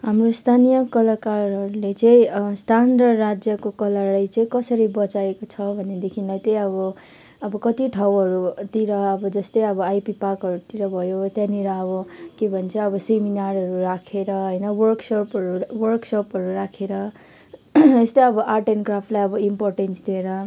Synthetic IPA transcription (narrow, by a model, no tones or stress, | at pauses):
ɦamrost̪ʰanijʌkʌlakarɦʌɾulet͡sʌ̃ĩst̪ʰand̪ʌːad͡zjʌkokʌlaɾajt͡sʌĩkʌsʌɾibʌt͡saekot͡sʰʌbʱʌned̪ekʰinlajt̪ʌj̃ʌbʌ | ʌbʌkʌt̪iʈʰawɦʌɾut̪iɾʌːbʌd͡zʌst̪ʌjʌbʌajpipakɦʌɾut̪iɾʌbʱʌjot̪jãniɾʌʌbʌkebʱʌnt͡sʰʌʌbʌseminaɾʌɾuɾakʰeɾʌɦʌjnʌwʌrksopɦʌɾuwʌrksopɦʌɾuɾakʰeɾʌ | est̪ʌjʌbʌʔaʈenɡrapʰʈlajʌbʌimporʈensd̪ieɾʌ